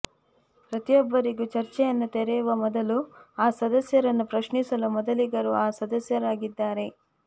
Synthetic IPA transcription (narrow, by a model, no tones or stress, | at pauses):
pɾɐt̪ijɔbːɐɾiɡut͡ʃɐɾt͡ʃɛjɐnːut̪ɛɾɛjuʋɐmɔd̪ɐluaːsɐd̪ɐsjɐɾɐnːupɾɐʃɳisɐlumɔd̪ɐliɡɐɾuaːsɐd̪ɐsjɐɾaːɡid̪ːaːɾe̞